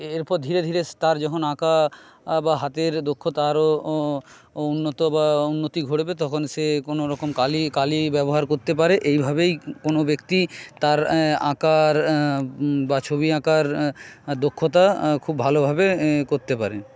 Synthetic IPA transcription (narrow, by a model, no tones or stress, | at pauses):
eɾpɔɾd̪ʱiɾed̪ʱiɾest̪aɾd͡ʑɔkʰonaka | baɦat̪eɾd̪okʰːot̪aɾo | unːot̪obaunːot̪iɡʱoɽbet̪ɔkʰonsekonoɾɔkomkalikalibɛboɦaɾkoɾt̪ep̬aɾeʔejbʱabejkonobekt̪it̪aɾã̰kaɾ | bat͡ɕʰoβiakaɾd̪okʰːot̪akʰubːʱalobʱabekoɾt̪epaɾe